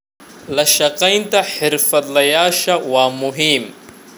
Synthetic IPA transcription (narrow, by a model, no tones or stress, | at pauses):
lɐʃɐqajnt̪aħɪɾfɐt̪lɐjaːʃawamuɦiːm